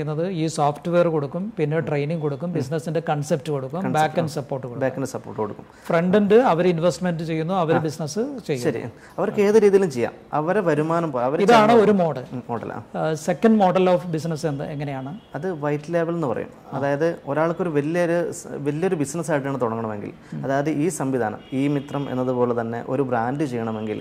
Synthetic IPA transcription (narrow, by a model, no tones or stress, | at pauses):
ejunːɐðɨiːsoːfʈʋe̞ːrko̞ɽukːumpinːeʈrejniŋko̞ɽukːumbis̬nɐsinde̞kɐɳsep̚tːɨko̞ɽukːumbaːkːɐnɨsɐpːo̞ːrʈːɨkoɽubaːɐndesɐpːoːrʈːɨkoɽukːumfre̞ɳɖindɨɐʋɐɾinʋestmendɨt͡ɕe̞jːunːuɐʋɐɾbisnɐsɨt͡ɕejːʃɐɾḭ | ɐʋɐɾkːe̞ːðɨɾiːðijilumt͡ɕejːa̰ːmɐʋɐɾeʋɐɾumaːnɐmpoːjɐʋɐɾiðaːɳɨo̞ɾumo̞ːɽɐloːɽɐ̰l̰ːse̞kːɐnɖmo̞ːɖɐloːfbisnɐsenːɨeŋːɐne̞jaːɳɨɐðɨʋɐjʈːleːbɐlenːɨpɐrɐ̰jṵm | ɐ̰ðaːjɐðɨo̞ɾaːɭkːoɾuʋɐlijɐɾuʋɐljɐo̞ɾubisnɐsaːjiʈ̬ːjaːɳɨt̪uɽɐŋːɐɳɐme̞̰ŋɡḭl | ɐðaːjɐðɨʔiːsɐmʋid̪ʱaːnɐ̰miːmit̪rɐmḛnːɐðupo̞ːle̞t̪ɐnːe̞̰ʔo̞̰ɾubraːnɖɨt͡ɕe̞jːɐɳɐme̞ŋɡil